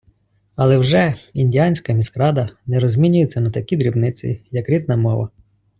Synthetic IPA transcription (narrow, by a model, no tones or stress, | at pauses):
ɐlˠɛwʒɛinʲdʲijanʲsʲkɐmʲiskɾɑd̪ɐnɛɾɔzʲmʲinʲʊjet͡sʲːɐnɐt̪ɐkʲid̪ɾʲibnɪt͡sʲḭjɐkɾʲid̪nɐmɔʋɐ̰